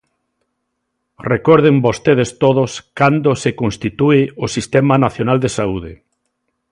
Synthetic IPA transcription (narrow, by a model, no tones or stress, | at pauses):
rekɔɾð̞embost̪eð̞est̪oð̞oskand̪osekõnst̪it̪uɪosist̪ɛmanaθjonald̪esauð̞ɪ